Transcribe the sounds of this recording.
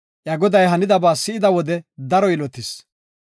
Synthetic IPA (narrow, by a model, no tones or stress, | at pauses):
ʔjɐɡɔd̪ɐjɦɐnɪd̪ɐbaːsɪɪd̪ɐwɔd̪ɛd̪ɐɾɔjɪlɔt̪ːɪs